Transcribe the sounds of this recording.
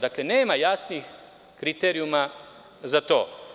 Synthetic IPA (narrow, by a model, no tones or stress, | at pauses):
d̪aklene̞ːmajasnix | kɾit̪eɾiuma | zat̪oː